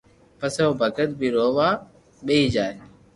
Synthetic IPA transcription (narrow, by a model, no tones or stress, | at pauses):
pəseoːbʱəkət̪̚bʱiːɾoːʋaː | ɓeiːd͡ʒaːe